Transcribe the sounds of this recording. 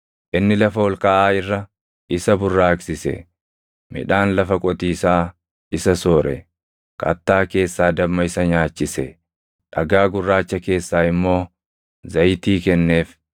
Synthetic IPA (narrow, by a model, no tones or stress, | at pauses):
ʔɪnːɪlɐfɐwɔlkɐʔaːɪrːɐ | ʔɪsɐbʊrːaːksɪsɛ̰ | mɪ̰ᶑaːnlɐfɐkʼɔt̪iːsaː | ɪsɐsoːɾɛ̰ | kɐ̰t̪ːaːke̞ːsːaːd̪ɐbmɐɪsɐɲaːt͡ʃːɪsɛ | ᶑɐɡaːɡʊrːaːt͡ʃːɐke̞ːsːaːɪmːo̞ː | zɐjt̪iːkɛnːe̞ːf